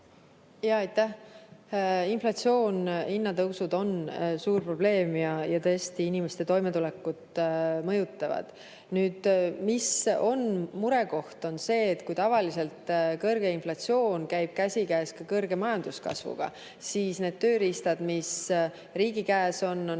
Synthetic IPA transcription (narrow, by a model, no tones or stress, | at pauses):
jɑɑjt̪ːæh | inflɑt̪sio̞ːninːɑt̪ɤwsud̪o̞nsuːrpro̞b̥le̞ːmjɑjɑt̪ɤest̪iinimest̪e̞t̪o̞jme̞t̪ule̞kːˑut̪mɤjut̪ːˑɑvɑ̰d̪̥ | nyːd̪̥miso̞nmuɾe̞ko̞ht̪o̞nse̞ːt̪ːkujt̪ɑvɑlise̞lt̪kɤrɡ̥e̞inflɑt̪sio̞ːnkæjb̥̚kæsʲikæːskɑkɤrɡe̞mɑjɑnd̪̥uskɑ̰svṵɡ̥ɑ̰ | siːsne̞d̪̥̚t̪ø̞ːɾist̪ɑd̪̥mis | ɾiːɡikæːso̞n